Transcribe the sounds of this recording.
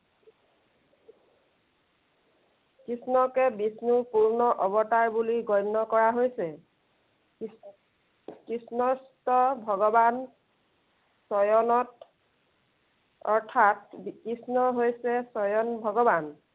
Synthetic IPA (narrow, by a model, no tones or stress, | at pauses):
kɹisnɔkɛbisnupuɹnɔʔɔbɔtajbuliɡɔjnːɔkɔɹaɦojsɛ | kisnɔstɔbʱɔɡɔban | sɔjɔnɔt | ɔɹtʰatkisnɔɦojsɛsɔjɔnbʱɔɡɔban